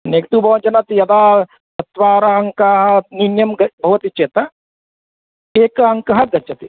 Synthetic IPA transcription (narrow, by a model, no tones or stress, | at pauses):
neːkt̪uːbʱɐʋɐd͡ʒɐnat̪ijɐd̪aː | sɐt̪ʋaːɾɐɐŋkaːɦɐninjɐmɡɐbʱɐʋɐt̪it͡ʃeːt̪ɐ | eːkɐɐŋkɐɦɐɡɐt͡ʃɐt̪i